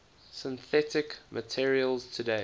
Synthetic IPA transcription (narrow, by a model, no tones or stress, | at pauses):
sɪ̃nθɛtɪkmʔətʰɪɹiəlˠz̥tʰədeɪ